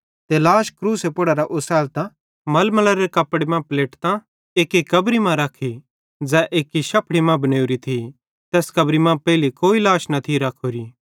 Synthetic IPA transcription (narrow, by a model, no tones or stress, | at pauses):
t̪elaːʃkɾuːsepʊɽaɾaʔʊsɛːlt̪ã | mɐlmɐlɐɾeɾekɐpːɽemãpleːʈt̪ã | eːkːikɐbɾimãɾɐkʰi | d͡zɛːʔeːkiʃɐpɽimãbɐneːuɾit̪ʰi | t̪ɛːskɐbɾimãpɛːɪlikoːilaːʃnɐt̪ʰiɾɐkʰoːɾi